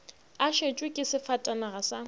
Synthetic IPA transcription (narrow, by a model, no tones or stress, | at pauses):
aʃet͡ʃʼwɪkʼɪsɪfatʼanaɣasa